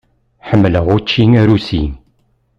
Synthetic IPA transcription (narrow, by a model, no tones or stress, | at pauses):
ħəmːləʁʊɾt͡ʃːiŋæɾusḭn